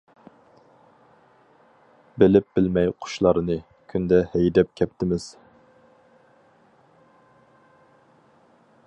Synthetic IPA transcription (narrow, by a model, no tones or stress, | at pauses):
bɪlɪp̚b̥ɪlmɛjqʰʊ̥ʃlˠɑɾɨnɨ | kʲʰynd̪ɛhɛjd̪ɛp̚kʲʰɛp̚t̪ʰɪmɪz̥